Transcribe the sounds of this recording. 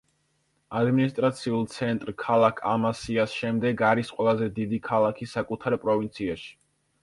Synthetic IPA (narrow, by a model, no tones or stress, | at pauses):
ad̪minist̪ʼɾat̪sʰiulˠt̪sʰɛnt̪ʼɾkʰalˠakʰamasiasʃɛmd̪ɛɡaɾisqʼwɛlˠazɛd̪id̪ikʰalˠakʰisakʼut̪ʰaɾpʼɾɔvint̪sʰiaʃi̥